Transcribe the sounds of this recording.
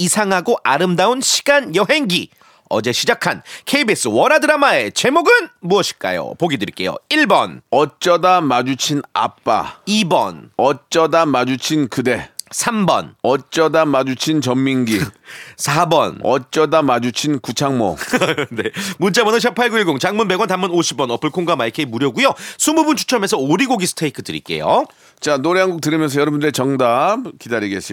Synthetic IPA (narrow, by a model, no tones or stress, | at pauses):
isʰaŋɦaɡoʔaɾɯmdaunɕʰi̥ɡanjʌɦe̞ŋɡi | ʌ̰d͡ʑe̞ɕʰid͡ʑakʰankʰeibes͈ɯwʌɾadɯɾamaet͡ɕe̞moɡɯnmuʌɕʰi̥ɭk͈a̰jo̰poɡidɯɭk͈e̞̰jo̰iɭbʌnʌt͡ɕ͈ʌdamad͡ʑut͡ɕʰina̰p͈a̰ibʌnʌt͡ɕ͈ʌdamad͡ʑut͡ɕʰinkɯde̞sʰambʌ̰nʌt͡ɕ͈ʌdamad͡ʑut͡ɕʰint͡ɕʌmːiŋɡisʰabʌ̰nʌt͡ɕ͈ʌdamad͡ʑut͡ɕʰinkut͡ɕʰaŋmo̰nemunt͡ɕʰamʌnɯnɕʰapʰaɭɡuiɭɡoŋt͡ɕaŋmunbe̞ɡwantamɯnoɕʰibʌnʌpʰɯɭkʰoŋɡamaikʰeimuɾjʌɡujosʰumubunt͡ɕʰu̥t͡ɕʰʌme̞sʰʌoɾiɡoɡisʰɯ̥tʰeikʰɯtɯɾḭk͈e̞̰jo̰ | t͡ɕanoɾeɦaŋɡuk̚tɯɾimjʌns̬ʰʌjʌɾʌbundɯɾet͡ɕʌŋdakidaɾiɡeɕ͈i